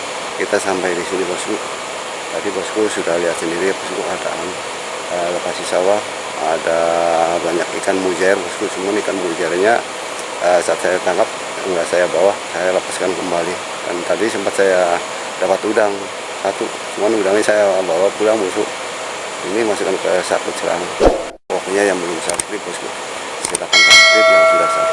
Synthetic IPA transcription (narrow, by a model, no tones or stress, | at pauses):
kit̪asampajdisinibɔskuʔ | t̪apibɔskusudahliat̪̚səndiɾipɔskukada̰n | ələpasisawah | adabaɲakḭkanmud͡ʒaɛrbɔskusəmuanikanmud͡ʒaɛrɲa | əsaat̪sajat̪aŋɡap̚ | ɡdasajabawasajaləpaskankəmbali | da̰nt̪adisəmpat̪̚saja | d̥apat̪udaŋ | sat̪u | səmuanudaŋisajaabawapulaŋbusṵʔ | inimasukankəsat̪ut̪̚səla̰ŋa | waktuɲajaŋbəlʊmsasɾibɔskʊ̰ | sit̪akant̪ait̪udiaŋdasa